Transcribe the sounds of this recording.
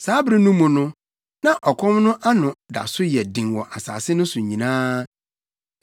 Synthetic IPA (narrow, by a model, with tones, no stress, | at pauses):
saː˨˦bɾɪ˦nũ˦mʊ̃˨nʊ̃˦ | nã˨ʔɔ˨kʰɔ̃˦mnʊ̃˦ʔa˦nʊ̃˨da̰˨sʊ˦jɛ˨dĩ˨ŋwɔ̃˨ʔa˨saː˨sɪ˦nʊ̃˦sʊ̃˨ɲĩ˨nãː˦